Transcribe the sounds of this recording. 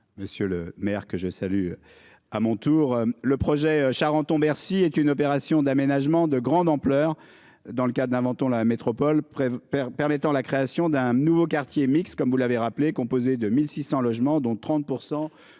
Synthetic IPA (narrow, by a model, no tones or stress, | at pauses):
məsjøləmɛʁkəʒəsaly | amɔ̃t̪uːʁləpχɔʒɛʃaʁɑ̃t̪ɔ̃bɛʁsiɛt̪ynɔp̬eʁasjɔ̃d̪amenaʒmɑ̃d̪əɡʁɑ̃d̪ɑ̃plœːʁ | d̪ɑ̃ləkad̪ɛ̃vɑ̃t̪ɔ̃lamet̪χɔpɔlɛpɛʁmɛt̪ɑ̃lakχeasjɔ̃d̪ɛ̃nuvokaʁt̪jemikst̪kɔmvulaveʁaplekɔ̃pozed̪əmilsisɑ̃lɔʒmɑ̃d̪ɔ̃t̪χɑ̃t̪̚puʁsɑ̃